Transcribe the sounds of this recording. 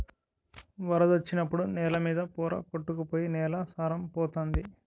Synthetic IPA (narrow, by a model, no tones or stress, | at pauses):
ʋɐɾɐd̪ɐt͡ʃːinɐpːuɽunɛːlɐmiːd̪ɐpuːɾɐ̰koʈːukupoːjinɛːlaːsaːɾɐmpɔːt̪oːnd̪i